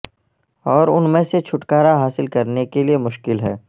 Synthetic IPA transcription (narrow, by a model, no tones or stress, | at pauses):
ɔːɾʊnmẽset͡ʃʰʊʈkaːɾaɦaːsɪlkɐɾnekeliemʊʃkɪlɦɛ̰ː